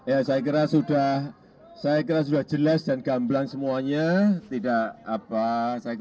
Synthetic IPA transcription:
jasajak̬iɾasudah | sajak̬iɾas̬udahd͡ʒəlasd̥anɡamblaŋsəmuaɲat̪idaʔapasaja

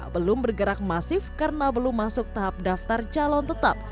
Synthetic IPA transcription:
bəlʊmbərɡəɾak̚masɪfkarənabəlʊmːasʊk̚t̪aɦap̚daft̪art͡ʃalɔnt̪ət̪ap̚

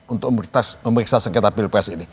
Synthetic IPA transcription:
unt̪ʊk̚məmit̪asməməɾiksasəŋkɛt̪apilpɾɛsini

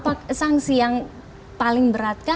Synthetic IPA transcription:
paksaŋsijaŋ | palɪŋbəɾat̪̚ka

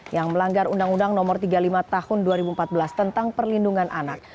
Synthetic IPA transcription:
jaŋməlaŋɡaɾundaŋundaŋnɔmɔrt̪iɡalimat̪ahʊnduaɾibumpat̪̚bəlast̪ənt̪aŋpərlinduŋanʔanak̚

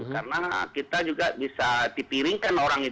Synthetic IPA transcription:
karnakit̪ad͡ʒuɡabisat̪ipiɾiŋkanoɾaŋi

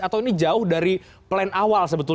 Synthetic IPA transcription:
at̪awinid͡ʒaʊhdaɾi | plaɪnawalsəbət̪u

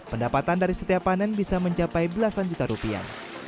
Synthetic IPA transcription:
pəndapat̪andaɾisət̪iapanɛnbisaməɲt͡ʃapajbəlasand͡ʒut̪aɾupia̰

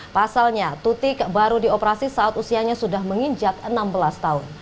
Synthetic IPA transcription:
pasalɲat̪ut̪ɪkbaɾudiopəɾasisaat̪usiaɲasudahməŋiɲd͡ʒakənambəlast̪aʊn

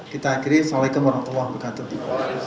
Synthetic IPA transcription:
kit̪aːkiɾisalakʊmbaɾmat̪ulːahbərkat̪u

